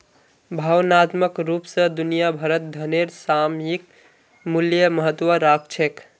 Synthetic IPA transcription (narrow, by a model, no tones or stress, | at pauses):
bʱawnat̪məkɾupsə̃d̪unijabʱəɾət̪̚d̪ʱəneɾsamjik | muljəməɦət̪wəɾakʰt͡ʃʰek